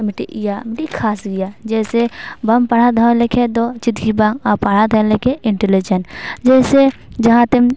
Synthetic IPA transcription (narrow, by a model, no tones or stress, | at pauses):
mɪʈḭʔijamɪʈikʰaːsɡijaːd͡ʒɛːsebɐmpaɽ̤ad̪ʱalekʰed̪ot͡ʃɪd̪ɡibãːŋapaɽ̤ad̪ʱəlekʰeʔɪɳʈelid͡ʒənd͡ʒɛːsed͡ʒɐɦãt̪em